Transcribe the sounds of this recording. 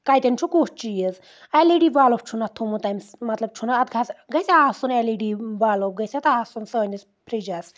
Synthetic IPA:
kajt̪ent͡ʃʰukut͡ʃijəz | aliɖiʋaːlop̚t͡ʃʰunat̪ʰːumut̪aːmsmɐt̪lɐb̚t͡ʃʰunaɐt̪̚ɡʱasɡɐjsʲeaːsuneliɖiːʋaːlop̚ɡɐjsʲet̪aːsunsəːnis | pʰɾid͡ʒas

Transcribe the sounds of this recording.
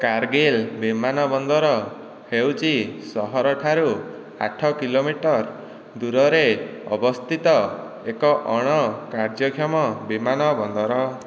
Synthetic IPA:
kaɾɡelbimanɔbɔnd̪ɔɾɔ | hewt͡ʃʰisɔɦɔɾɔʈʰaɾu | a̰ʈʰɔkilomiʈɔɾ | d̪uɾɔɾeɔ̰bɔst̪ʰit̪ɔ | ekɔʔɔɽ̃ɔkaɾd͡ʒɔkʰjɔmɔbimanɔbɔnd̪ʱɔɾɔ

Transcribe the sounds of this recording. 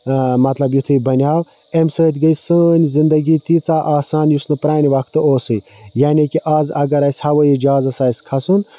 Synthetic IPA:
mɐt̪lɐbjut̪ʰɨbɐnʲjaːw | emsəːt̪ʲɡəjsəːnʲzind̪ɐɡiːt̪it͡saːʔaːsaːnjusnɨpɾaːnʲiʋɐkʰt̪ɨoːsɨj | jaːnikiʔaːzɐɡɐɾaːsʲhɐʋəid͡ʒaːzɐsaːsʲkʰɐsun

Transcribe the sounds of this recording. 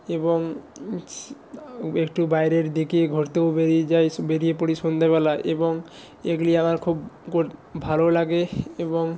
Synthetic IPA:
ebɔŋ | ekʈubajɾeɾd̪ikieɡʱoɾt̪eobeɾid͡ʒajbeɾijepoɽisund̪ʱebɛlaʔḛbɔŋ | eɡliamaɾkʰubkobʱalolaɡeebɔŋ

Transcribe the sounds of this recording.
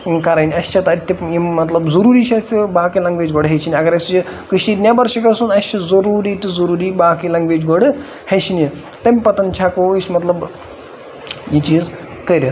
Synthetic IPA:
kɐɾaːjnʲiɐst͡ʃʰɐt̪ɐɐt̪ʲːɐjimɐt̪lɐbzɐɾuːɾit͡ʃʰɐsibaːkilɐŋɡʋeːd͡ʒɡoɽɦet͡ʃʰiniɐɡɐɾɐsʲt͡ʃikɨʃid̪nʲjabɐɾʃɐkɐsunɐst͡ʃʰɐzɐɾuːɾiːt̪ɨzɐɾuːɾibaːkilɐŋɡʋed͡ʒɡoɽɨ | het͡ʃʰini | t̪ɐmʲpɐt̪ɐnt͡ʃʰakoisʲmɐt̪lɐb | jit͡ʃiːz | kɐɾʲɐ

